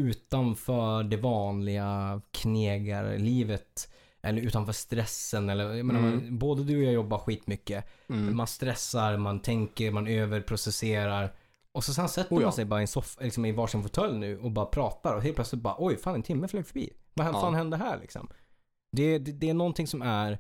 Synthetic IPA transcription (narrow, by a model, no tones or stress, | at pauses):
ʉ̟ːt̪anfœːɖɛvɑːnlɪɡakʰneːɡaɾ̰liːvət̪ | ʔɛ̰lːəɾʉ̟ːt̪anfœːʂt̪ɾɛsːənɛlːəjajmeːnaɾboːd̪əd̪ʉːɔjɑːjɔbːaɧiːt̪mʏkːəmanst̪ɾɛsːaɾmant̪ʰɛŋkəɾmanøːvəɾpʰɾʊsɛseːɾaɾ | ɔsɔs̬ɛnsɛt̪ːəɾmansɛjbɑːɾaɪɛnsɔfalɪksɔmɪvɑːʂɪnfʊt̪ʰɛlːnʉ̟ːɔbɑːɾapʰɾɑːt̪aɾɔɦeːlt̪̚plœtslɪt̪̚bɑːɾʔɔjfaːnɛnt̪ʰɪmːəfløːɡfœbḭːvaɛfaːnhɛnd̪əɦæːɾɭʔɪ̰ksɔ̰m | d̪ɛd̪ɛd̪ɛænɔnt̪ɪŋsɔmæɾ